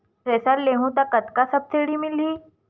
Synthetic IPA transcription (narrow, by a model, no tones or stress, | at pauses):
pɾɛsaɾleɦũt̪akət̪kasəp̚t͡seɽiːmiliː